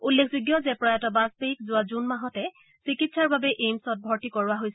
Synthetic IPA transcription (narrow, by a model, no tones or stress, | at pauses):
ulːekʰzuɡjɔzɛpɹajatɔbaspeikzʊazunmaɦɔtɛ | sɹikitsaɹbabɛʔejmsɔt̚bʱɔɹtikɔɹʊaɦojs